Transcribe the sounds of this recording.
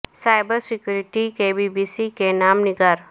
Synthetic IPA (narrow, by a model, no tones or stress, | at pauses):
saːɪbəɾsɪkjuɾɪʈikebiːbiːsikenaːmnɪɡaːɾ